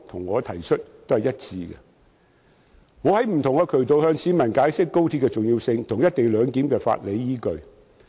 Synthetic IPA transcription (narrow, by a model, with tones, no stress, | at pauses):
t̪ʰʊ˨˩ŋːɔː˨˧t̪ʰɐ˨˩jt͡ʃʰɵ˥t̚t̪o˥whɐ˨jɐ˥t̚t͡sʰiː˧ɡɛ̰˧ | ŋɔː˨˧hɐ˨˥jm̩˨˩t̪ʰʊ˨˩ŋkɛː˧kʰɵ˨˩ɥt̪o˨whœː˧ŋsʰiː˨˥mɐ˨˩nkaː˨˥jsɪ˥kːo˥wt̪ʰi˨˥kːɛː˧t͡sʊ˨ŋjiː˧wsɪ˧ŋt̪ʰʊ˨˩ŋjɐ˥t̚t̪e˨jlœː˨˧ŋkiː˨˥mkɛː˧fa̰ː˧t̚le˨˧jjiː˥kɵ˧ɥ